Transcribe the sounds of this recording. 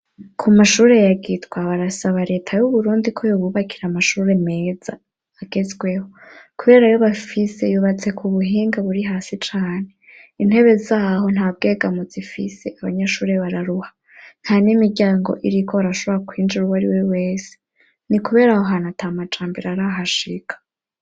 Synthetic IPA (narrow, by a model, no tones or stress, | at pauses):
kʰumaʃuːɾe̞jaɡitɡwaβaɾasaβaɾe̞ːtʰajuβuɾuːndikʰojoβuβakʰiɾamaʃuːɾe̞me̞zaː | ɡ̥e̞zɡwe̞ho̞kuβe̞ːɾajo̞βafise̞juβat͡se̞kuβuɦiːŋɡaβuɾiɦaːsit͡ʃaːne̞ | in̥he̞βe̞zaːɦo̞n̥haːb̚ɡe̞ːɡamuzifise̞ʔaβaɲaʃuːɾe̞βaɾaɾuhḁ | n̥hanimiɾɟaːŋɡo̞̰ʔiɾikʰo̞βaɾaʃo̞βoɾakwiːnd͡ʒiɾuwaɾiwe̞we̞ːse̥ | nikuβe̞ːɾahoɦanatamat͡ʃaːmbiɾaɾaɦaʃikʰḁ